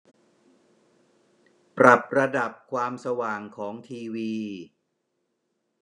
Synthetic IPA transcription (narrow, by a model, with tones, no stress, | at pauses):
pɾa˨˩p̚ɾa˧da˨˩p̚kʰwaː˧msa˧waː˨˩ŋkʰɔː˩˦ŋt̪ʰiː˧wiː˧